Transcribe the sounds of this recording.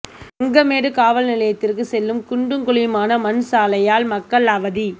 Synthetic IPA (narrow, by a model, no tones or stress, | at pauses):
ɐŋɡɐmeːɽɯkaːʋɐlnɪlɐjɐt̪ːɪrkɯsɛlːɯmkʊɳɖɯŋkʊɭɪjmaːnɐmɐnsaːlɐjaːlmɐkːɐɭɐʋɐði